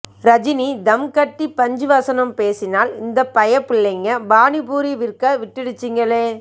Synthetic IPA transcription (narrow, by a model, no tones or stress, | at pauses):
ɾɐd͡ʒɪnid̪ɐmkɐʈːipːɐɲd͡ʒɯʋɐsɐnɐmpeːsɪnaːlɪnd̪ɐpɐjɐpːɪɭːɐŋɡɐbaːnɪpuːɾiʋɪrkɐʋɪʈːɪɽɯt͡ʃːɪŋɡɐɭeː